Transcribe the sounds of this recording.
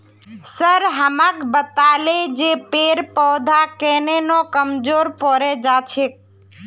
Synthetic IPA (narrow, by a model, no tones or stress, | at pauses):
səɾɦəmãkbət̪aled͡ʒepeɾpɔːd̪ʱakenenokəmd͡ʒoɾpɔɾed͡ʒat͡ʃʰek̚